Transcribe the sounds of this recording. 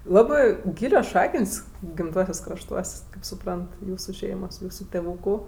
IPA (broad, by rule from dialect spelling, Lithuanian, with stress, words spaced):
ˈlˠɑːbɜ ˈɡʲiːlʲoːs ˈʃɑːkənʲsʲ ɡʲɪmˈtuɔsʲuɔsʲ krɐʃˈtuɔsʲ kɐɪp sʊˈprɐnt ˈjuːsʊ ˈʃʲɛɪmoːs ˈjuːsʊ tʲɛˈʋuːkʊ